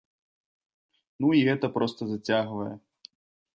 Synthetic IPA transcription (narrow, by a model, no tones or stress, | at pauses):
nuiɣɛt̪ɐpɾɔst̪ɐzɐt͡sʲaɣvɐjɛ̰